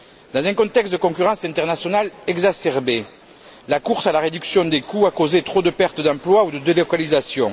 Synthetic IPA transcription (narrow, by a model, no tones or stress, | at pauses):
d̪ɑ̃zɛ̃kɔ̃t̪ɛkst̪̚d̪əkɔ̃kyʁɑ̃sɛ̃nt̪ɛʁnasjɔnalɛɡzasɛʁbe | lakuʁsalaʁed̪yksjɔ̃d̪ekuakozet̪χod̪əpɛʁt̪əd̪ɑ̃plwaud̪əd̪elɔkalizasjɔ̃